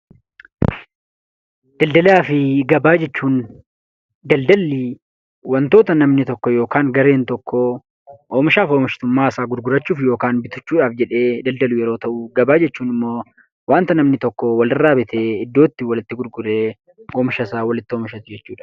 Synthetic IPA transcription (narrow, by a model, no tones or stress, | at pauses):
d̪̥ɐld̪ɐlaːfɪɡɐbaːd͡ʒɛt͡ʃːuːn | d̪ɐld̪ɐlːiː | wɐnt̪o̞ːt̪ɐnɐmnɪt̪ɔkːɔjo̞ːkaːŋɡɐɾeːnt̪ɔkʰːɔ | oːmɪʃaːfoːmɪʃɪt̪ʊmːaːɪsaːɡʊɾɡʊɾɐt͡ʃːuːfjoːkaːnbɪt̪ʊ̥t͡ʃːuːᶑaːfd͡ʒɛᶑe̞ːd̪ɐld̪ɐluːjɛɾoːt̪ɐʔuɡɐbaːd͡ʒɛt͡ʃːuːnɪmːoː | waːnt̪ɐnɐmnɪt̪ɔkːɔwɐlɪrːaːbɪt̪ʰeːɪd̪ːoːt̪ːɪwɐlɪt̪ːɪɡʊɾɡʊɾeː | oːmɪʃɐsaːwɐlɪt̪ːɪoːmɪʃɐt̪ɪd͡ʒɛt͡ʃːuːᶑɐ̥